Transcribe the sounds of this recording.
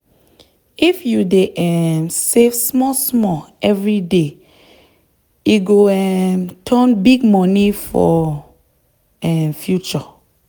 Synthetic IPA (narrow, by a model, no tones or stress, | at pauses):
ifjudeʔɛmsefsmɔsmɔɛvɹide | iɡoɛmtʰɔ̃nbiɡ̚mɔnifɔ | ɛmfjut͡ʃɔ